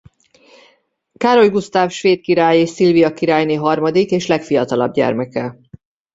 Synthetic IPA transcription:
kaːɾo̞jɡust̪aːfʃʋeːt̪̚kiɾaːjeːʃsilvijɒkiɾaːjneːɦɒrmɒd̪ikeːʃlɛkfijɒt̪ɒlɒ̰bɟɛ̰rmɛkɛ

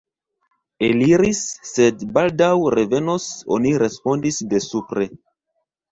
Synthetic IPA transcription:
eliɾisːe̞dbaldawɾeve̞noso̞̰niɾe̞spo̞ndisde̞supɾe̞

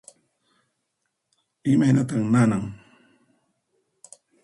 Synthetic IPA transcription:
ɪmajnat̪aχnanaŋ

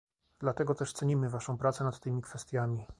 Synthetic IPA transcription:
d̪lat̪ɛɡɔt̪ɛʂt̪sɛɲimɘvaʂɔ̃w̃pɾat̪sɛnat̪ːɘmʲikfɛst̪ʲjamʲi

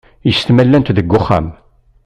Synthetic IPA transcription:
jəst̪mælːænt̪ðəɡːʊχːa̰m

